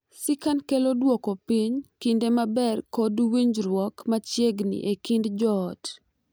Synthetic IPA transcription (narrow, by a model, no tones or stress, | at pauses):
sɪkankelodwɔkopiɲkindemabɛrkodwiɲd͡ʒɾwɔkmat͡ʃjeɡnḭʔekindd͡ʒɔt